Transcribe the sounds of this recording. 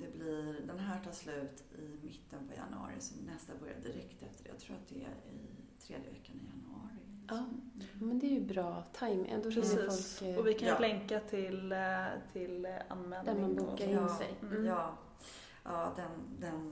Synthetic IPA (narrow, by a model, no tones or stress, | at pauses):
d̪̥ɛblɪd̪ɛnɦæːʈʰɑːslʉ̟ːt̪ɪmɪt̪ːənpʰɔja̰nɵɑ̰ːɾɪ̰sɔmnɛst̪abœɾja̰d̪ɪɾɛkt̪ɛft̪əɖɛjat̪ʰɾuːɾat̪̚d̪ɛɛ̰ɪt̪ʰɾeːd̪jəvɛkːanɪjanəɑːɾɪ | mɛnd̪ɛæɾjɵbɾɑːt̪ʰajmʔɛ̰nd̪oɾɛsifːsɔlkɔvɪkʰanlɛŋkat̪ʰɪlt̪ʰɪla̰nmɛːld̪nanb̪uːkːaɾɪnːsɛ̰jjɑː | ɑːd̪ɛnd̪ɛn